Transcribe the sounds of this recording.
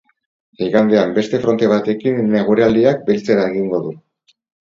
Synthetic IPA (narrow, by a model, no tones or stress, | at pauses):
iɣand̪eambe̞st̪e̞fɾo̞nt̪e̞β̞at̪e̞kinːe̞ɣ̞uɾeald̪iak̚belt͡se̞ɾaeɣiŋɡo̞ðu